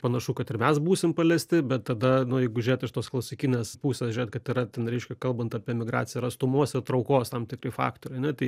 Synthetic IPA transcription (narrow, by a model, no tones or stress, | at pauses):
pɐnɐʃukɐt̪ɪrmʲɛsbuːsʲɪmpɐlʲɛsʲt̪ʲɪbʲɛt̪tːɐd̪ɐnʊjɛɪɡʊʒʲʊɾʲeːt̪ɪʃt̪oːsklˠɐʊsʲɪkʲɪnʲeːspuːsʲeːsʒʲʊrʲeːt̪kɐt̪ɪɾɐt̪ʲɛnɾʲɛɪʃʲkʲɛkɐlˠbɐnt̪ɐpʲiɛmʲɪɡɾɑ̰ːt͡sʲsʲɪjɛɾɐst̪ʊmoːsɪrt̪ɾɐʊkoːst̪ɐmtʲɪkrɐɪfɑ̰ːkt̪oːɾʲɪɐnʲɛt̪ɐɪ